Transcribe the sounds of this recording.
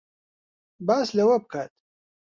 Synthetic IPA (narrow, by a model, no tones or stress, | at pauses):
baːslɐwɐb̚kʰaːt̪